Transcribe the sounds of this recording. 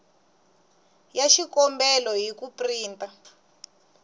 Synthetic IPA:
jaʃikɔmbɛlɔɦikupriːntʼa

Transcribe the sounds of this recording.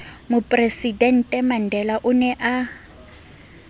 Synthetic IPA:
mʊpʼresidɛn̩tʼɛman̩dʱɛlaʔʊnɛʔa

